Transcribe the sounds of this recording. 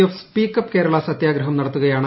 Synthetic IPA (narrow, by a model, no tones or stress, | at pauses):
ofspiːkːɐpːke̞ːɾɐɭasɐt̪jaːɡɾɐɦɐmnɐɽɐt̪ːuɣɐjaːɳɨ